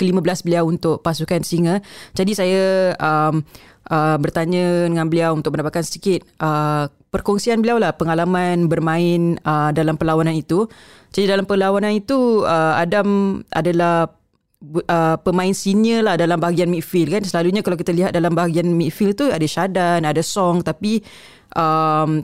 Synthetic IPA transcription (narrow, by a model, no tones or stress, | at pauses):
kəliməbəlasbəliawunt̪ʊʔpasukansiŋə̃d͡ʒadisajaəm | ʔəbərt̪aɲə̃dəŋãnbəliawunt̪ʊk̚məndabat̪̚kansədikɪt̪̚ʔə | pərkɔŋsianbəliawlahpəŋalamanbərmãɪnədalampəlawananit̪ud͡ʒadidalampəlawananit̪uəadamʔa̰dalah | ʔəpəmãɪnsinəlahdalambaɦaɡianmiʔfilkansəlaluɲakalawk̬it̪aliɦat̪̚dalambaɦaɡianmifilt̪uadaʃadanadasɔŋt̪api | ʔəm